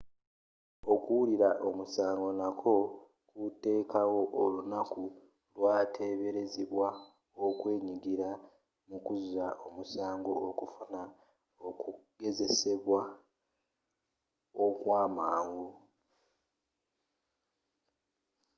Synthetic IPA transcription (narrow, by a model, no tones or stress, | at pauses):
o̞kuwuliɾaʔo̞musaːŋɡo̞nakʰo̞ | kute̞ːkawo̞ʔolunaku | lwaːtʰe̞βe̞ɾe̞ziβwa | okwe̞ːɲiɡiɾa | mukuzaʔo̞musaːŋɡo̞ːkufuna | okuɡe̞ze̞se̞βwa | okwaːmaːŋɡu